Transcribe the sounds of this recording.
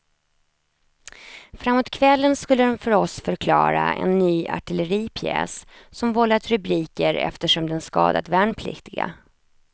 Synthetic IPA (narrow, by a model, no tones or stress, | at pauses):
fɾamːoːt̪̚kʰvɛlːənskɵlːəd̪ɔmfœɾɔsfœɾkʰlɑːɾaɛ̰nːyːʔa̰ʈɪləɾiːpʰjɛ̰ːssɔmvɔlːat̪ɾɵbɾiːkəɾɛ̰ft̪əʂɔmd̪ɛnskɑ̰ːd̪at̪væɳpʰlɪ̰kt̪ɪɡa̰